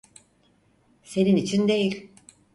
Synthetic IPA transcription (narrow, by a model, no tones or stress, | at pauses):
se̞ninit͡ʃʰind̪e̞jilʲ